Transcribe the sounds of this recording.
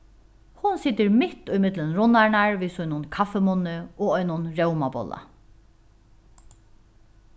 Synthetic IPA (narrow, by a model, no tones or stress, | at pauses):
hʊnsɪt̪ɪɹmɪt̪ʊjmɪt̪lənɾʊnaɳaɹʋisʊjnʊnkʰafɛmʊnɪoːɔjnʊnɹɛwmabɔ̰la̰